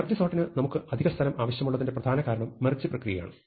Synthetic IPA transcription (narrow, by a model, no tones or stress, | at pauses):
ɐrd͡ʑisoːʈːinɨnɐmukːɨʔɐd̪ʱiɣɐst̪ʰɐlɐmʔaːʋɐɕjɐmuɭːɐðindeprɐd̪ʱaːnɐkaːɾɐɳɐmːɐrɨd͡ʑːiprɐkrijɐja̰ːɳɨ